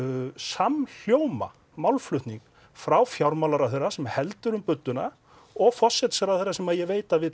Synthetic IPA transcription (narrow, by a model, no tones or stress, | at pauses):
saml̥joːwma̰ | mawlflʏht̪niŋk | fɾawfjawɾmawlaɾaθejrːasɛmhɛlt̪ʏɾʏmpʏt̪ːʏna | ɔɣfɔr̥sːɛt̪saɾaðθejrːasɛmaðjɛveːjt̪avɪ